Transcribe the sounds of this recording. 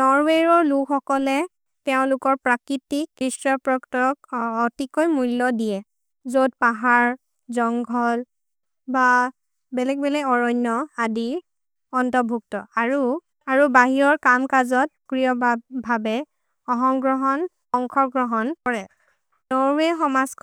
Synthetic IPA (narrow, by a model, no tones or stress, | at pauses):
nɔɹweɹɔɹlukɔkɔlɛ | tɛʊ̃lʊkɔɹpɹakɹitikːɹistɹɔpɹɔktɔkɔtikojmulːɔdijɛ | zod̚paɦaɹ | zɔŋɡʱɔl | ba | bɛlɛɡ̚bɛlɛɡɔɹɔjnːɔadiɹ | ɔntɔbʱuktɔaɹu | aɹubaɦiɹɔɹkamkazɔt̚kɹijɔbʱabɛ | ɔɦɔmɡɹɔɦɔn | ɔŋkʰɔɹɡɹɔɦɔnkɔɹɛ | nɔɹɛxɔmazk